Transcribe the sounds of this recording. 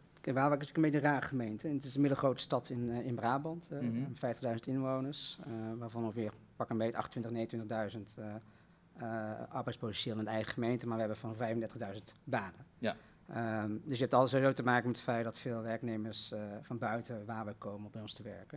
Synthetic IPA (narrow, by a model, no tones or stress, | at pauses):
kɛʋaːʋɛkətyːkənmejəraːrəχəmejntənətɪsənmɪdəlˠχrowtə̥stɑtʰɪnɪnbraːbɑntfɛjftəʁdœɥzəntɪnʋownəɹsʋaːɹvɑnɔfʋɪːɹ | pɑkənmejtɑχtə̥ntʋɪ̃ntəχneəntʋɪntəχdœɥzənt | ɑɹbɛjt͡sspowtɛnʃɪːlˠɪndəɛjχəχəmejntəmaːɹʋəɦɛbənfɔnɔfɛjfəndɛɹtəχdœɥzəntbaːnə | ədəsjəɛptɑlˠtətsoʋizoːwtəmaːkəmɛtətfɛjtdɑtfɪːlˠʋɛɹknejməɹsfɑnbœɥtəʋaːɹʋɛjkowmənɔbɛjɔnstəʋɛɹkə